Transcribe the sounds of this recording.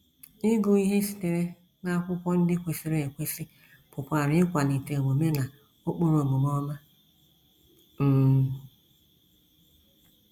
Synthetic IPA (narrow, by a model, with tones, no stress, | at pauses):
ɪ˦ɡʊ˨i˦ɦe˦si̥˨te˨ɾe˦ | na˦a˦˨kʷʊ˦kʷɔ˦n̩˦dɪ˦kʷe˨si˨ɾe˦˨e˨kʷe˦si˦ | pʊ˨pʷa˨ɾɪ˨˦ɪ˦kʷa˨ni˨te˨wo˨me˦na˨ | o˦k͡po˦ɾo˨mʊ˨m˦ɔ˦ma˦ | m̩˦˨